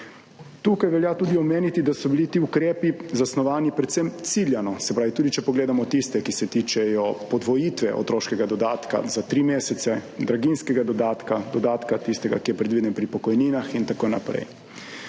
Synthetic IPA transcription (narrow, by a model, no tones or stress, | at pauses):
t̪ukajʋɛljat̪uːd̪iɔmeːnit̪id̪asɔbilit̪iːukɾeːpizasnɔʋaːnipɾɛt̪semt̪siljanɔsɛpɾaːʋit̪uːd̪it͡ʃɛpɔɡleːd̪amɔt̪ist̪ɛkisɛt̪iːt͡ʃɛjɔpɔd̪ʋɔjiːt̪ʋɛʔɔ̰t̪ɾoːʃkɛɡad̪ɔd̪aːt̪ka̰zat̪ɾimeːsɛt̪sɛd̪ɾaɡinskɛɡad̪ɔd̪aːt̪kad̪ɔd̪aːt̪kat̪ist̪ɛɡa̰kijɛpɾɛd̪ʋiːd̪ɛnpɾipɔkɔjniːnaxint̪akoːnapɾɛ̰j